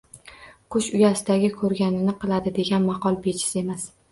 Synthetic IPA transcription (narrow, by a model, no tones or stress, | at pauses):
qʰʊʃʊjasɪd̪aɡʲɪkʰɵɾɡʲanɪnɪqʰɨlˠad̪ɪd̪e̞ɡʲanmɑqɒlˠbe̞t͡ʃʰɪ̥sɪe̞mas